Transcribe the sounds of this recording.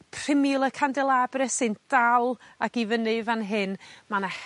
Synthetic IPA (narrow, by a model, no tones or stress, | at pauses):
pʰr̥ɪmjʊlˠəkʰandɛlˠabrɛsɨnd̥alˠaɡivənɨɨvanɦɨnmanah